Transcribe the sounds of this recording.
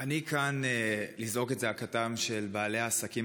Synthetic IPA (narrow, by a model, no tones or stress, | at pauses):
anikanelizʁo̞ketzeakatamʃe̞lbaːleaːsakim